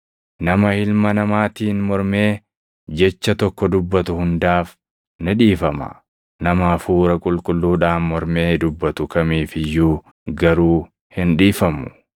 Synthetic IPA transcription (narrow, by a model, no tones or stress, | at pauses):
nɐmɐhɪlmɐnɐmaːt̪iːnmɔɾme̞ː | d͡ʒɛt͡ʃːɐt̪ɔkːɔd̪ʊbːɐt̪ʊhʊnd̪aːf | nɪᶑiːfɐmɐ̰ | nɐmaːfuːɾɐkʼʊlkʼʊlːuːᶑaːnmɔɾme̞ːd̪ʊbːɐt̪ʊkɐmiːfɪjːuː | ɡɐɾuː | hɪnᶑiːfɐmʊ̥